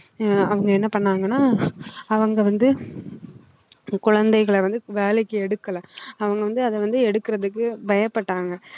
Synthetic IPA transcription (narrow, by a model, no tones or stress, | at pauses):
ɐʋɐŋɡɐɛnːɐpɐɳːaːŋɡɐnːaːɐʋɐŋɡɐʋɐnd̪ɯ | kʊɻɐnd̪ɐɪɣɐɭʋɐnd̪ɯʋeːlɛɪkːɯɛɽɯkːɐlɐ̃ɐʋɐŋɡɐʋɐnd̪ɯɐðɛʋɐnd̪ɯɛɽɯkːɪɾɐðɯkːɯbɐjɐpːɐʈːaːŋɡɐ